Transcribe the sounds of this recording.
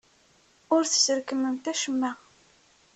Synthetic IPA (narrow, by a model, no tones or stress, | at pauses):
ʊɾθə̥səɾkəmənt̪æʃəmːæ